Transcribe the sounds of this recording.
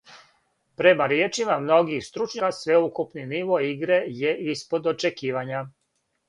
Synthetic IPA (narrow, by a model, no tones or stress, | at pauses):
pɾe̞maɾjeːt͡ʃimamno̞ɡixst̪ɾut͡ʃɲakasʋe̞ukupniniʋo̞iɡɾe̞je̞ʔispo̞d̪o̞t͡ʃekiːʋaɲa